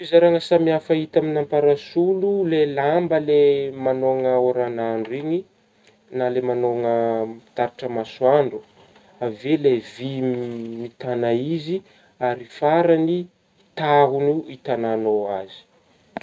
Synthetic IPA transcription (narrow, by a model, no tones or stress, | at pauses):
fizaɾaŋəsamiafəit̪aminampaɾasululelambəlemanoŋəoɾanaɳɖ͡ʐiɲi | nalemanoŋəit̪aɾiʈ͡ʂəmaswaɳɖ͡ʐu̥ | avelevimit̪anaizi | aɾifaɾani | t̪aɦunuit̪ananoazi̥